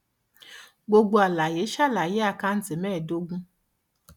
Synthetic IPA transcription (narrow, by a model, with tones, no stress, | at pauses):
ɡ͡bo˨ɡu˨a˨la˨jɪ˨˦ʃa˦˨la˨jɪ˦a˨ka˦n̩˦tɪ˨mɛː˦˨do˦ɡʷu˦